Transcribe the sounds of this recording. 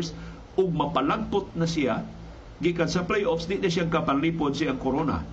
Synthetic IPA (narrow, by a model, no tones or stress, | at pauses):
s | ʔʊɡ̚mɐpalaɡ̚pʊt̪̚nɐsɪja | ɡikansɐplejʔofsd̪ɪʔd̪aʃjaŋkapanliːpod̪sɪaŋkoɾona̰